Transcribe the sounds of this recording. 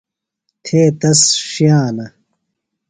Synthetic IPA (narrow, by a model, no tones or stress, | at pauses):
t̪ʰeːt̪ɐsɕjaːnɐ